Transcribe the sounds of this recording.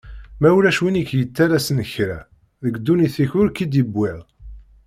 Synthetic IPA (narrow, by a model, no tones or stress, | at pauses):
mæwuɾæʃwinikːjət͡sːæɾæsənəçɾæ | ðəɡd̪ːuniθiçʊɾkid̪ibːɪðˤ